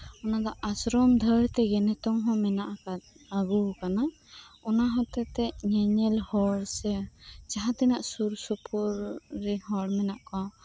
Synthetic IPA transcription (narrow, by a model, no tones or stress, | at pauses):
ɔnad̪ɔʔasɾɔmd̪ʱəɾt̪ɛɡɛnɛt̪ɔŋɦɔ̃mɛnaʔakat̪ | aɡukana | ɔnaɦɔ̃t̪ɛt̪ɛɲɛɲɛlhɔɽsɛt͡ʃaɦat̪ɛnaʔsuɾsɔpʰɔɾːɛɦɔɽmɛnaʔka